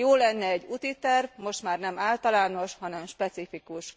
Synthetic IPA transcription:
joːlɛnːɛɛɟːut̪it̪ɛrvmo̞ʃt̪maːrnɛmaːlt̪ɒlaːno̞ʃhɒnɛmʃpɛt̪sifikuʃ

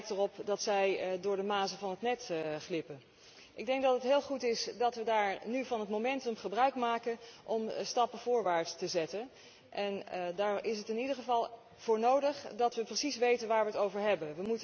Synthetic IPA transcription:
k̚tərɔpdɑtsɛjdʊːɹdəmaːzəvɑnɦətnɛtχlɪpən | ʔɪɡ̚dɛŋk̚dɑtətɦɪːlˠχutɪsdɑtʋədaːɹnyvɑnɦətmomɛntəmχəbrœɥkmaːkənʔɔmstɑpəv̥ʊːɹʋaːɹtstəzɛtən | ʔɛndaːɹɪsɦətɪnidəɹχəvɑlˠ | v̥ʊːɹnowdəχdɑtʋəprəsisʋejtənʋaːɹʋəətowvəɹɦɛbənʋəmut

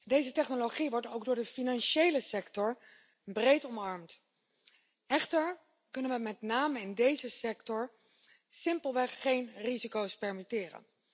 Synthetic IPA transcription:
dejzətɛχnoloχiʋɔɹtowɡ̚dʊːɹdəfinɑnʃejləsɛktɔɹ | brejtɔmɑɹmt | ɛχtəɹ | kɵnənʋəmɛtnaːməɪndejzəsɛktɔɹ | sɪmpəlˠʋɛχːejnrizikowspɛɹmitɪːrə̰n

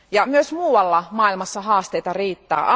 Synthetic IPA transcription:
jɑmyøsmuːwɑlːɑmɑˑilmɑsːɑɦɑːst̪ejt̪ɑriːt̪ːæ̰ːʔɑ

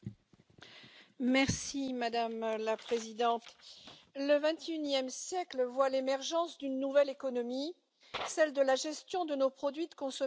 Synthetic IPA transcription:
mɛʁsimad̪amlapχezid̪ɑ̃t̪ | ləvɛ̃t̪ynjɛmsjɛklvwalemɛʁʒɑ̃sd̪ynːuvɛlekɔnɔmi | sɛld̪əlaʒɛst̪jɔ̃d̪ənopχɔd̪ɥid̪əkɔ̃sɔ

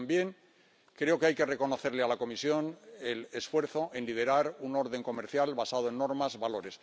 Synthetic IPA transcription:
mbje̞ŋ | kɾe̞o̞keajke̞re̞ko̞no̞θe̞ɾlealako̞misjo̞nelesfwe̞ɾθo̞ʔe̞nlið̞e̞ɾaɾuno̞ɾðe̞ŋko̞meɾθjalβasað̞oe̞nːo̞ɾmazβalo̞ɾe̞s

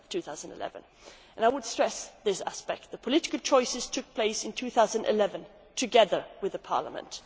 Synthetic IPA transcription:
tʰʉθaʊz̃n̩dɨ̰lɛ̰vɨ̃n | ʔɨ̃naɪwəd̥stɹ̥ɛsðɪsæ̰spɛk̚t̪̚ðəpʰəlɪɾɨkl̩ˠt͡ʃʰɔɪsɨz̥tʰʊk̚pʰl̥eɪsɨ̃ntʰʉθaʊzə̃n̩dɨ̰lɛvɨ̃n | tʰɨɡɛðə˞wɨðɨpʰɑ̰ɹlə̰mə̰̃nt

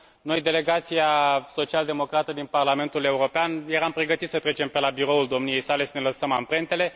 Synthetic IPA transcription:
no̞jd̪e̞le̞ɡat̪siaso̞t͡ʃiald̪emo̞kɾat̪əd̪inparlame̞nt̪ule̞uɾo̞peanje̞ɾampɾe̞ɡət̪it̪sət̪ɾe̞t͡ʃe̞mpe̞labiɾo̞uld̪o̞mnije̞jsale̞səne̞ləsəmampɾe̞nt̪e̞le̞

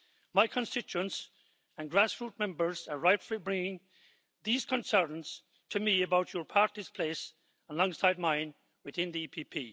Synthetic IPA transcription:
maɪkʰə̃nstɪt͡ʃʉə̃ns | ə̃nɡɹæsfɹut̚mɛ̃mbə˞zə˞ɹaɪtflibɹɪ̃ŋɪ̃ŋ | ðiz̥kʰə̃nsɜ̃˞nz̥ | tʰɨmiɨbaʊt͡ʃə˞pʰaɹtiz̥pʰl̥eɪs | ə̃nlɔ̃ŋsaɪd̚mãɪ̃n | wɨθɪ̃nðiipʰipʰi

